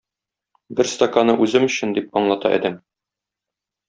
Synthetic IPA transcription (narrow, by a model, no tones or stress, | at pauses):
bɘɾst̪ɐkanɤʔʉzɘmɵ̆ɕɘ̆nd̪ip̚ɒɴlˠɑt̪ɑ̰ʔæ̰d̪æm